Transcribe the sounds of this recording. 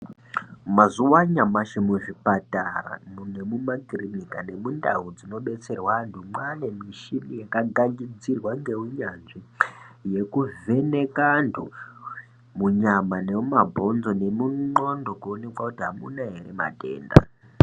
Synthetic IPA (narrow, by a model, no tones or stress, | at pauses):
mazuwaɲamaʃemuʐipatara̰mune̞mumakirinikane̞munda̰ɦud͡zino̞ɓe̞t͡se̞rwantʰumwane̞miʃimijakaɡaŋɡid͡zirwaŋɡe̞ɦuɲanʐije̞kuve̞ne̞kantʰu | muɲamane̞mumabʱo̞nzo̞ne̞muŋ͡ǃo̞ndo̞kuone̞kwakutiɦamunaɦeɾe̞̰ma̰te̞̰ːnda̰